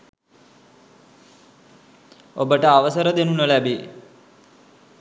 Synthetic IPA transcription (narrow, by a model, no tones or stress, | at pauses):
obəʈəaʋəsəɾəd̪enunəlæbe